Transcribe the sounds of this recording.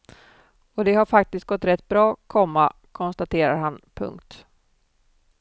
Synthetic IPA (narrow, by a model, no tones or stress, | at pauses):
ɔd̪ɛhaɾfak̚t̪ɪst̪̚ɡɔt̪ːɾɛt̪ːbɾɑːkʰɔmːa | kʰɔnst̪at̪ʰeːɾaɾhanpʰɵ̰ŋkt̪